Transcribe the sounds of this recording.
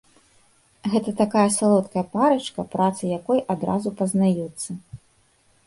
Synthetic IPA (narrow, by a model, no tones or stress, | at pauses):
ɣɛt̪ɐt̪akajɐsalˠɔt̪kɐjɐpaɾɐt͡ʂkɐpɾat̪sɨjakɔjʔad̪ɾazupɐznajut̪sːɐ